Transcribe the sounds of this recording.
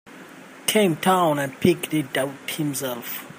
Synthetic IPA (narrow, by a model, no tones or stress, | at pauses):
tʰẽmtʰãwnanpʰikdidathimsɛlf